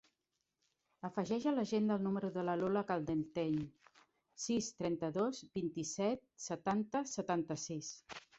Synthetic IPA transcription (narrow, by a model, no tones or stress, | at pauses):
əfəʒɛʒələʒend̪əlˠnuməɾuðələloləkalˠd̪ent̪eɲ | sist̪ɾɛnt̪əðozbint̪isɛt̪̚sət̪ant̪əsət̪ant̪əsis